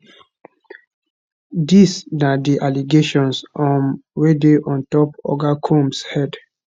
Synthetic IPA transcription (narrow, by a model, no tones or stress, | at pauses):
disnadiʔaliɡeʃɔ̃nsɔ̃nwedeʔɔ̃ntɔpɔ̰ɡakʰũmshɛd